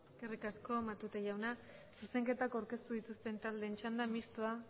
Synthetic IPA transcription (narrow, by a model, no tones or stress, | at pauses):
skerikasko̞mat̪ut̪eʝawnasuse̞ŋke̞t̪akawɾke̞st̪uðit̪ust̪e̞nt̪ald̪e̞ːnt͡ʃand̪amist̪ua